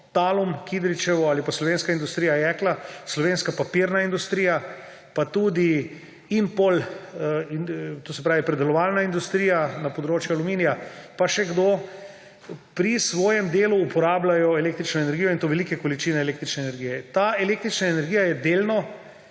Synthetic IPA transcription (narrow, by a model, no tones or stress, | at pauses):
t̪alumkid̪ɾit͡ʃɛʋɔalipaslɔʋeːnskaind̪ust̪ɾijajɛklaslɔʋenskapapiɾnaind̪ust̪ɾiːja | pat̪ud̪i | impol | t̪osɛpɾaːʋipɾɛd̪ɛlɔʋalnaind̪ust̪ɾiːjanapod̪ɾoːt͡ʃjualumiːnijapaʃɛɡd̪oː | pɾisʋɔːjɛmd̪eːluːpɔɾaːblajɔɛlekt̪ɾit͡ʃnɔenɛɾɡijɔint̪oːʋɛlikɛkɔlit͡ʃiːnɛeleːk̚t̪ɾit͡ʃnɛːnɛɾɡijɛt̪aeleːk̚t̪ɾit͡ʃnaenɛɾɡijajɛd̪elnɔ